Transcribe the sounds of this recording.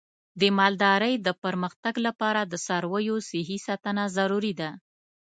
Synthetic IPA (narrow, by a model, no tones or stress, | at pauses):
d̪əmɑld̪ɑɾəjd̪əpəɾməxt̪aɡlapɑɾad̪əsɑɾwəjosɪɦisɑt̪ənazaɾuɾid̪a